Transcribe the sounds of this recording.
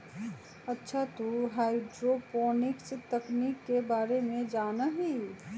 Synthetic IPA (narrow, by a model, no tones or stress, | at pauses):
ɐtːʃʰat̪oɦaːɪɖɾopɔːnɪkst̪ɐkniːkːebaːɾemẽd͡ʒaːnaɦi